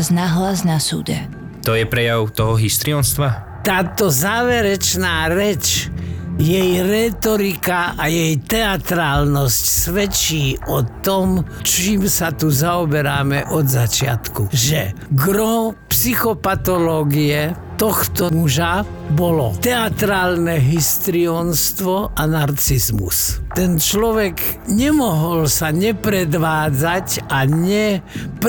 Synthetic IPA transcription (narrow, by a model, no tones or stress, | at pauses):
znaɦlaznasṵːd̪ɛ | t̪ɔjɛpɾɛjaʊt̪ɔɦɔɦist̪ɾiɔnst̪ʋa | t̪aːt̪ɔzaːʋɛɾɛt͡ʃnaːɾɛt͡ʃ | jɛjɾɛːt̪ɔɾikaajɛjt̪ɛat̪ɾaːlnɔscsʋɛt͡ʃiːʔɔt̪ɔmt͡ʃiːmsat̪uzaɔbɛɾaːmɛʔɔd̪zat͡ʃɪa̰t̪kuʒɛɡɾɔpsixɔpat̪ɔlɔːɡiɛ | t̪ɔxt̪ɔmuʒa | bɔlɔt̪ɛat̪ɾaːlnɛɦist̪ɾiɔnst̪ʋɔʔanaɾt͡sizmṵst̪ɛnt͡ʃlɔʋɛɡɲɛmɔɦɔlsaɲɛpɾɛd̪ʋaːd͡zacaɲɛp